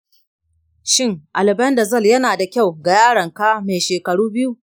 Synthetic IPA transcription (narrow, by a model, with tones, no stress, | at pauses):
ʃɪ˦˨ŋʔa˨lɪ˨bɐ˦nda˨zɐ˦˨ljɐ˦naː˨da˨kʲa˦˨wɡa˨jaː˦ɽɐ˨ŋkaː˦me˨ʃeː˨kɐ˨ɽuː˦bɪ˦ju˦